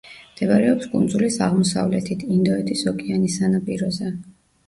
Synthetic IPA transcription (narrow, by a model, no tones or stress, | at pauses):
md̪̥ɛvaɾɛɔpskʼund̪zulisaʁmɔsa̰vlɛt̪ʰit̪ʰind̪ɔɛt̪ʼisɔkʰʼianisanapʼiɾɔzɛ